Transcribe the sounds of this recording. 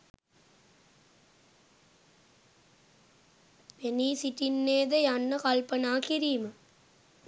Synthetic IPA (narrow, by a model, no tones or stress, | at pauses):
peniːsiʈinːeːd̪ɐjɐnːɐkɐlpɐnaːkɪɾimɐ